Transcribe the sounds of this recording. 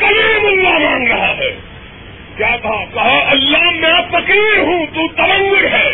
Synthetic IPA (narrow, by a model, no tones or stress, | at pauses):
kɐlimʊlːamãːŋɡɾɐɦaɦɛː | kjaːt̪ʰakɐɦaɐlːaɦmɛ̃fɐkiːɾɦũːt̪uːt̪ɐbɐ̃nd̪ʊɾɦɛː